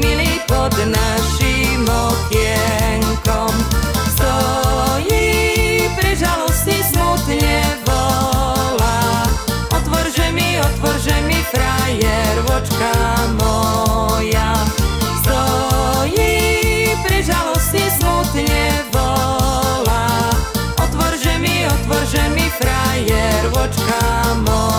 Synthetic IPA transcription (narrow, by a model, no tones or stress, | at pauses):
miliːpɔd̪naʃimɔkɪɛ | ŋkɔm | st̪ɔ | ji | pɾɛʒalɔstizmut̪ɲɛʋɔ | la | ɔt̪ʋɔɾʒɛmiɔt̪ʋɔɾʒɛmipɾajɛɾʋɔt͡ʃkamɔjasst̪ɔ | ji | pɾɛʒalɔstizmut̪ɛbɔ | la | ɔt̪ʋɔɾʒɛmiɔt̪ʋɔɾʒɛmifɾajɛɾʋɔt͡ʃkamɔ